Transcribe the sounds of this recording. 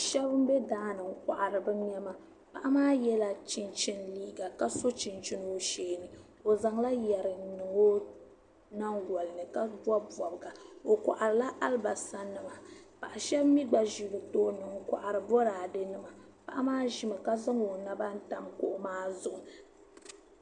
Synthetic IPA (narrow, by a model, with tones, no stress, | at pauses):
ʃɛ˦bɨ˦m̩˦bɛ˦daː˦nɨ˨ŋ̩˦kʷa˨ʔa˨ɾɨ˨bɨ˦ɲɛ˦ma˨ | pa˦˨ʔa˦maː˦jɛ˦la˨t͡ʃi˦nt͡ʃi˦nliː˦ɡa˨ka˦so˦t͡ʃi˨nt͡ʃi˦n˨o˦ʃeː˨nɨ˨ | o˨za˨ŋla˦jɛ˨ɾɨ˨n˦nɨ˨ŋo˦ | na˦ŋɡɔ˨lɨ˨nɨ˨ka˦bɔ˦bɔ˨bɨ˨ɡa˨o˨ka̰˨ʔa˨ɾɨ˨la˦ʔa˦lba˨sa˦nɨ˨ma˨pa˨ʔa˨ʃɛ˦bmi˦ɡ͡ba˨ʒi˨bɨ˨toː˦nɨ˨ŋkʷa̰˨ʔa˨ɾɨ˨bɔ˦ɾaː˨dɨ˦nɨ˦ma˨ | pa˨ʔa˦maː˦ʒi˦ma˨ka˦za˦ŋo˨na˦ba˦n̩˦ta˨mko̰˦ʔʊ˦maː˦zʊ˨ʔʊ˨